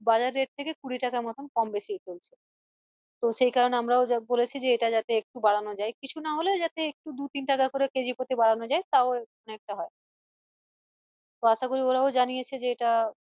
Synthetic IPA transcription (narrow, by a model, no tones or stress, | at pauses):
bad͡ʑaɾːeʈ̚t̪ʰekekuɽiʈakaɾmɔt̪ʰomkɔmbeʃijt͡ɕolt͡ɕʰe̥ | t̪oʃejkaɾoneamɾaobolet͡ɕʰid͡ʑeeʈad͡ʑat̪eek̚ʈubaɽ̤anod͡ʑaekit͡ɕʰunaɦoled͡ʑat̪eek̚ʈud̪ut̪inʈakakoɾeked͡ʑipot̪ebaɽanod͡ʑaet̪aoɔnek̚ʈaɦɔe | t̪oaʃakoɾioɾaod͡ʑanijet͡ɕʰed͡ʑeeʈa